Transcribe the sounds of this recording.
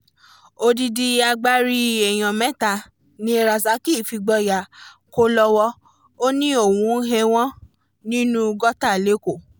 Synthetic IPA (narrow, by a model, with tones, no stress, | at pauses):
o˧di˧di˧a˧ɡ͡ba˧ɾi˧ɛ˨j̃ɔ̃˨mɛ̃˨˦ta˧˨ | nĩ˨˦˧ɾa˨za˨˦ki˦˨fi˧ɡ͡bɔ˧ja˨ko˦lɔ˧wɔ˧ | o˦nĩ˦o˦˨wũ˨˦n̩˦ɦe˧w̃ɔ̃˦ | nĩ˦nũ˦˧ɡɔ˦ta˦˨le˨˦ko˦˨